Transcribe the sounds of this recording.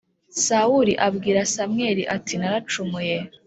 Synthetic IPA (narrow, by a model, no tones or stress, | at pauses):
sauɾiʔabɡiːɾasamŋeːɾiʔatʰinaɾat͡ʃumuje